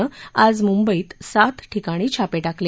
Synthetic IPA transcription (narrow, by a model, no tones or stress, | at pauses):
əad͡zmumbəiːt̪sat̪ʈʰikaɽ̃iːt͡ɕʰapeʈakle